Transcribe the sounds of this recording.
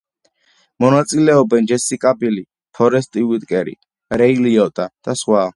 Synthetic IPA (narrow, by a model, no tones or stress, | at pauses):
mɔnat̪sʼilɛɔbɛnd͡ʒɛsikʼabili | pʰɔɾɛst̪ʼiwit̪ʼkʼɛɾḭ | ɾɛiliɔt̪ʼad̪̥asχwa